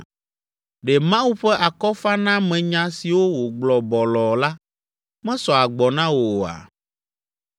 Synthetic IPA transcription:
ɖɛ˨mã˦wu˦ɸɛ˦ʔa˨kɔ˦fa˦nã˦mɛ̃˨ɲã˦si˨wo˦wo˨ɡ͡blɔ˨bɔ˨lɔ˨la˦ | mɛ̃˦sɔ˨a˨ɡ͡bɔ˨nã˦wo˨a̰˨

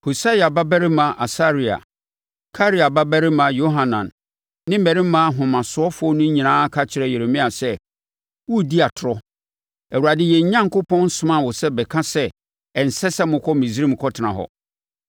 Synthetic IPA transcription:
ho˨sa˦ja˨ba˦bæ˦ɾɪ˦mã˨ʔa˨sa˦ɾi˨a̰˨ | kʰa˦ɾi˦a˨ba˦bæ˦ɾɪ˦mã˨jo˦ɦã˨nã̰˨nː | ɪ̃˦m̩˦mɛ˨ɾɪ̃˦m˦mã˦˨ɦʊ̃˨mã˨sʊ˨˦ɔ˦fɔ˦nʊ̃˦ɲĩ˨nãː˦kʰa˦t͡ɕʰɪ˨ɾɛ˨je˨ɾe˨mĩ˦a˨sɛ˦ | wu˦˨di˦a˨tʰʊ˨ɾɔ˦ | ɛ˨wu˨ɾa˨dɪ˦jɛ˨ɲ̩˨˦ɲã˦ŋ˨kʊ˦pʰɔ̃˦n˦sʊ̃˦mã˦˨wʊ˨sɛ˦bɛ˨kʰã˦sɛ˦ | ɛ˨n̩˨sɛ˦sɛ˦mʊ̃˨kʰɔ˦mĩ˨zɾĩ˦m̩˨kʰɔ˦tʰɪ˨nã̰˨ɦɔ̰˨

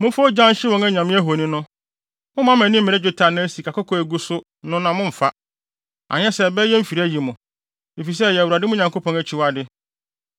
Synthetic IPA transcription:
mʊ̃˦fo˦d͡ʑã˦n˦ɕɪ˦wɔ̃˨ŋɛ˦ɲã˨mɪ̃˦æ˦ɦo˨nĩ˦nʊ̃˦ | mʊ̃˦mã˦mɛ̃˨nɪ̃˦m̩˦mɪ̃˨ɾɛ˦d͡ʑᶣʊ˨tʰa˨nã˦æ˦si˨kʰa˨ko˦kʰɔ˦æ˨ɡu˦sʊ˦ | nʊ̃˦nã˨mʊ̃˦m̩˨fa˦ | a̰˨ɲɛ̃˦sɛ˨bɛ˦jɛ˦m̩˦fi˨ɾæ˦ji˨mʊ̃˨ | e˨fi˨s̬ɛ˦jɛ˨wu˨a˨dɪ˦mʊ̃˦ɲã˨ŋko˦pʰɔ̃˦næ˨t͡ɕʰɪ˦wa˨dɪ˦

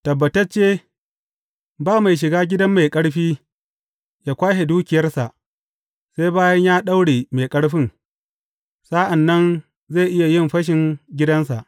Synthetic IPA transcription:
tɐ˨bːɐ˨tɐ˦rt͡ʃeː˦ | baː˦ma˨jʃ̬ɪ˨ɡaː˦ɡʲɪ˦dɐ˦mːa˨jkʼɐ˦ɽɸiː˦ | jaː˦kʷaː˦ɦe˨duː˦kʲɪ˨jɐ˦rsa˨ʔ | sa˦jbaː˦jɐ˦ɲjaː˦ɗa˦wɽeː˨ma˨jkʼɐ˦ɽɸɪ˦ŋ | saː˦ʔa˨nːɐ˦n | za˦˨ʔɪ˦ja˨jɪ˦˨mɸɐ˦ʃ̬ɪ˨ŋɡʲɪ˦dɐ˦nsa˨ʔ

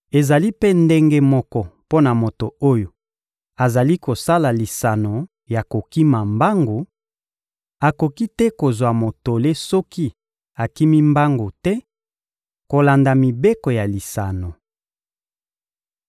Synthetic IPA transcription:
e˨za˨li˦pe˦nde˦ŋɡe˦mɔ˦kɔ˦po˦na˨mo˨to˨o˦jo˨ | a˨za˨li˦ko˨sa˦la˨li˨sa˨no˨ | ja˨ko˨ki˦ma˨mba˦ŋɡo˨ | a˨ko˨ki˦tɛ˦ko˨zwa˨mo˨to˨le˦sɔ˦ki˦ | a˨ki˦mi˦mba˦ŋɡo˨tɛ˦ | ko˨la˨nda˨mi˨be˦kɔ˨ja˨li˨sa˨no˨

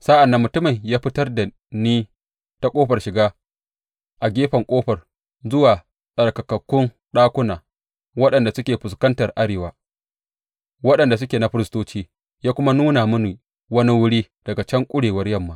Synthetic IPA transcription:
saː˦ʔa˨nːa˨mːʊ˨tʊ˦mɐ˨ɲjaː˦ɸɪ˦tɐ˦rda˨ | niː˦ | ta˦kʷʼoː˦ɸɐ˨rʃɪ˨ɡaː˦ | ʔa˨ɡʲeː˦ɸɐ˨ŋkʷʼoː˦ɸɐ˨r | zʊ˦waː˨ | sʼɐ˨rkɐ˨kɐ˨kːʊ˦n | ɗaː˦kʷʊ˦naː˨ | wɐ˦ɗɐ˨nda˨sʊ˦kʲeː˨ɸʊ˨skɐ˦ntɐ˨rʔa˦ɽeː˨waː˨ | wɐ˦ɗɐ˨nda˨s̬ʊ˦kʲeː˨na˨ɸɪ˦ɾɪ˦stoː˦t͡ʃiː˦ | jaː˦kʷʊ˦ma˦nuː˦na˨mʊ˦niː˨ | wɐ˦ni˦wʊ˦ɽiː˦ | d̥ɐ˨ɡa˨t͡ʃɐ˦ŋkʷʼʊ˦ɽeː˨wɐ˦rjɐ˦˨mːaː˨

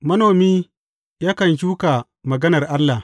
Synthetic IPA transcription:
mɐ˦noː˨miː˦ | jaː˦kɐ˨nʃ̬uː˦ka˨ | mɐ˨ɡɐ˦nɐ˨rʔa˦lːa˨

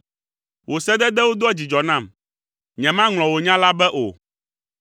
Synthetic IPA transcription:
wʔo˨sɛ˦d̪ɛ˦d̪ɛ˦wo˦d̪o˦ɛ˦d͡ʑi˨d͡ʒɔ˨nã˦˨m | ɲɛ̃˨mã˦ŋl̃ɔ̃˨wo˨ɲã˦la˦bɛ˦ʔo̰˨

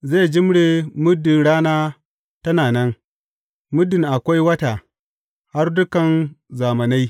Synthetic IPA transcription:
ze˦˨d͡ʒɪ˦mɽe˨mʊ˦dːɪ˨nɽaː˦naː˦ | tɐ˦naː˨nɛ˦ŋ | mʊ˦dɪ˨ŋʔa˨kʷa˦jwɐ˦ta˨ | ha˦rdʊ˦kɐ˨nzaː˨mɐ˨na˦j

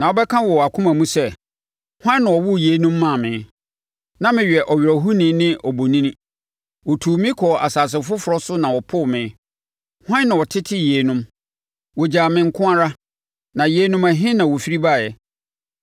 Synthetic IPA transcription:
nã˨wɔ˨˦bɛ˦kʰã˦wɔ˨a˨kʰʊ̃˦mã˨mũ˦sɛ˦ | hʷwã˦nã˨wɔ˨wʊ˦je˨˦nũ˦mːã˦˨mɪ̃˨˦ | nã˦mɪ̃˨ɥᶣɛ˨ʔɔ˨ɥɾɔ˨ɦu˦nĩ˨˦nɪ̃˦ʔɔ˨bo˨nĩ˦nĩ˦ | wɔ˨tʰuː˨mĩ˦kʰɔ˨a˨saː˨s̬ɪ˨fʊ˦fʊ˨ɾɔ˦sʊ˦nã˨wɔ˨pʰʊ˦˨mɪ̃˨˦ | hã˦nːã˨wɔ˨tʰɪ˦tʰɪ˦je˨˦nʊ̃˦m | wɔ˨d͡ʑaː˨mɪ̃˨ŋ˦kʰʊ̃˦a˦ɾa˦ | nã˨je˨˦nʊ̃˦mæ˨ɦɪ̃˦nã˨wo˨fi˦ɾi˦ba˦˨jɛ˨

